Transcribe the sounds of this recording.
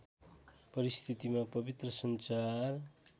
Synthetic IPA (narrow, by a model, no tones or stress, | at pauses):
pʌɾist̪ʰit̪imapʌbit̪rʌsʌnt͡sar